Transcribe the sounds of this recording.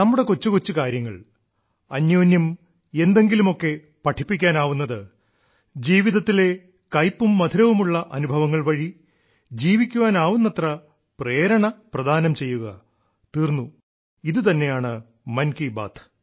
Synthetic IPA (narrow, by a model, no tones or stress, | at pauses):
nɐmːuɽe̞kot͡ɕːukot͡ɕːukaːɾjɐŋːɐɭ | ɐnjo̞ːnjɐm | e̞nd̪e̞ŋɡilumo̞kːe̞ | pɐʈʰipːikʲːaːnaːʋunːɐðɨ | d͡ʑiːʋiðɐt̪ːile̞ | kɐjpːumːɐd̪ʰʱiɾɐʋumuɭːɐʔɐnubʱɐʋɐŋːɐɭʋɐɻi | d͡ʑiːʋikʲːuʋaːnaːʋunːɐt̪rɐ | pre̞ːɾɐɳɐprɐd̪ʱaːnɐmt͡ɕe̞jːuɣɐ | t̪iːrnːu | iðɨt̪ɐnːe̞jaːɳɨ | mɐnkiba̰ːt̪ʰ